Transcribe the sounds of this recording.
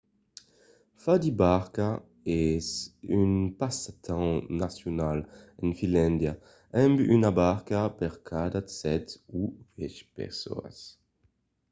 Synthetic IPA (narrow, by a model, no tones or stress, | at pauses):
fadibaʁka | ɛsynpasat̪ʰãnasjonalinfinlɛ̃nd̪ja | ʔɛmbyʔynabaʁkapɛʁkʰadat͡sɛtuvɛʃpɛ̰ʁso̰a̰s